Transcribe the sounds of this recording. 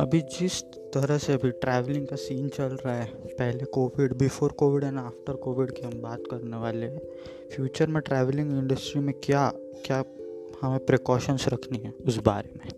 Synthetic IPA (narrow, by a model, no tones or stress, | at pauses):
ɐbʱid͡ʒɪs | t̪ɐɾəɦseɐbʱiʈɾɛːʋlɪ̃ŋɡkasiːnt͡ʃɐlɾaːepɛɦlekoːʋɪɖbɪfoːɾkoːʋɪɽɛ̃naːfʈəɾkoːʋɪɖkeɦɐmbaːt̪kɐɾneʋaːleɦɛ̃ | fjuːt͡ʃəɾmẽʈɾɛːʋlɪ̃ŋɡɪ̃ɳɖəsʈɾimẽkjaː | kjaː | hɐmẽpɾekɔːʃənsɾɐkʰniɦɛ̃ʊsba̰ːɾemẽ